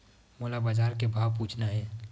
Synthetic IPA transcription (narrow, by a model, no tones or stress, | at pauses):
moːlabad͡ʒaːɾkebʱaːʋp̬uːt͡ʃʰnaɦɛː